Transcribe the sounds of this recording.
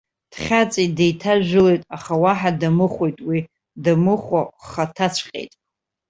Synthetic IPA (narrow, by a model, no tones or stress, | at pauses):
d̥χʲat͡sʼidejtʰaʒᶣɪlojtʼaχawaħadamɨχʷojtʼwi | damɨχʷoχatʰat͡ɕʷʰqʲʼḛjtʼ